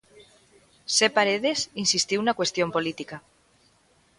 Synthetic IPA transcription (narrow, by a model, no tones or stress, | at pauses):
sepaɾeðesinsist̪iwunakwest̪jompolit̪ika